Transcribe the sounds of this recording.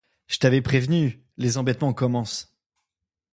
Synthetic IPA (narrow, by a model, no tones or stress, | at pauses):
ʒ̥ət̪avɛpχevny | lezɑ̃bɛt̪mɑ̃kɔmɑ̃s